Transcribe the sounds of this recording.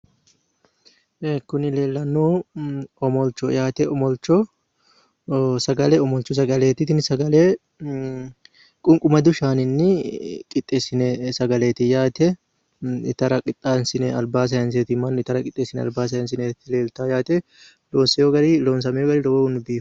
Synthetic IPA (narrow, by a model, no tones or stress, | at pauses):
ekʊnɪle̞ːlːɐnːuː | ɔmɔlt͡ʃːɔjaːt̪ɛʔɔmɔlt͡ʃːɔ | sɐɡɐlɛɔmɔlt͡ʃːɔs̬ɐɡɐleːt̪ɪt̪ɪnɪsɐɡɐle | kʼʊŋkʼʊmɐd̪ʊʃaːnɪnːɪkʼɪt̪ʼːeːsɪnɛsɐɡɐleːt̪ɪjaːt̪ɛ | ɪ̰t̪ɐɾɐkʼɪt̪ʼːansɪnɛɐlbaːs̬ɐjɐns̬eːt̪ɪmɐnɪt̪ɐɾɐkʼɪt̪ʼːeːsɪnɛɐ̰lbaːs̬ɐjɐns̬ɪnɛt̪ːɪle̞ːlt̪aːjaːt̪ɛ | loːnsɛjɔɡɐɾɪloːnsɐmɛjɔɡɐɾɪlɔbɔʊnbiːf